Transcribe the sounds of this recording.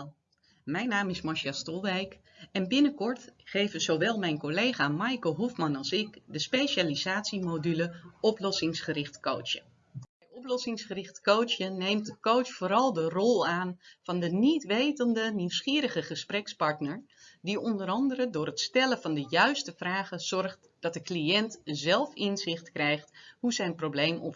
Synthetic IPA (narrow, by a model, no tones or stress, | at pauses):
mɛjnaːmɪsmɔɹʃɛstɔlˠʋɛjk | ɛnbɪnəkɔɹtχejvəzowʋɛlˠmɛjnkolejχaːmɑjkəlˠɦufmɑnɑlˠsɪkdəspejʃaːliz̥aːtsimodyləɔplɔsɪŋsχəɾɪχtko̰wt͡ʃə | ɛjɔplɔsɪŋsχərɪχtkowt͡ʃənejmtkowsfoːɾɑlˠdərɔlˠaːnv̥ɑndənitʋejtəndəniwsχiːɾəχəχəsprɛkspɑɹtnəɹ | diɔndəɾɑndəɾədʊːrətstɛləvɑndəjœɥstəvraːχəz̥ɔrχt | d̥ɑt̚dəkliɛntzɛlˠfɪnzɪχtkrɛjχthuzɛjnproblejmɔ̰p